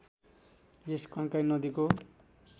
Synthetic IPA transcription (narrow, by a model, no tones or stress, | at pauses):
jeskʌ̃ŋkajnʌd̪iko